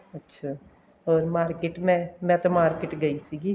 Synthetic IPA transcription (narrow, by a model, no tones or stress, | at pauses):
ɐtːʃʰaː | ɔːɾmaːɾkɪʈmɛ̃mɛ̃t̪omaːɾkɪʈɡɐisiːɡi